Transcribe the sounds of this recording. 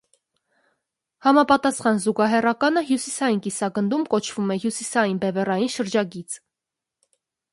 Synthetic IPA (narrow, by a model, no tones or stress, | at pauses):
hɑmɑpɑt̪ɑsχɑnzuɡɑɦɛrɑkɑnəɦjusisɑjinkisɑɡənd̪umkɔt͡ʃʰvumɛɦjusisɑjinbɛvɛrɑjinʃəɾd͡ʒɑɡit͡sʰ